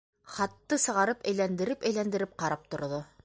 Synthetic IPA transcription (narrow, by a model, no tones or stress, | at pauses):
χɑt̪ːɤsɤ̆ʁɑɾɤpæjlænd̪ɘ̆ɾɘpæjlænd̪ɘ̆ɾɘp̚qɑɾɑp̚t̪ŏɾðo